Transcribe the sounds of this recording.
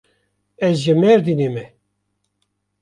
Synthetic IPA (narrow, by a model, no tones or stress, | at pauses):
ɛzʒemɛɾd̪inemɛ